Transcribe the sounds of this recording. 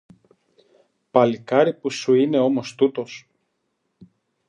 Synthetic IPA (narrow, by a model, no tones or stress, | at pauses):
pɐlikɐɾipusuine̞o̞mo̞st̪ut̪o̞s